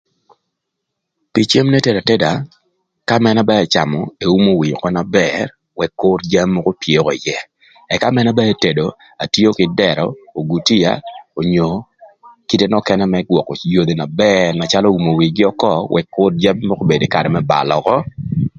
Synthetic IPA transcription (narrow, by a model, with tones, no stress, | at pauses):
pi˨t͡ʃe˦mnɛ˦te˨da˨te˦da˨ | ka˦mɛ˦na˦ba˦ɛ˨t͡ʃa˨mɔ˨e˨u˦mo˦wi˨ɲ˨kɔ˦na˨bɛr | wɛ˨kːʊ˦ɾd͡ʒa˦mːɔ˦ko˦pje˦kɔ˨jɛ˦ | ɛ˨ka˦mɛ˦na˦ba˦e˦te˨do˨ | a˨tjo˦kɪ˨dɛ˨ɾɔ̰˨o˨ɡu˨ti˦ja̰˨o˨ɲo˨ | ki˦te˦nɔ˦kɛ˦nɛ˦mɛ˦ɡwɔ˨kɔ˨jo˨d̪e˨na˨bɛrna˨t͡ʃa˦lo˦u˨mo˨wi˨ɡɪ˦ɔ˦kɔ˦wʔɛ̰˨kːʊ˦ɾd͡ʒa˦mːɔ˦ko˦be˨de˨ka˨ɾɛ˨mɛ˦ba̰˨lɔ˨kɔ˦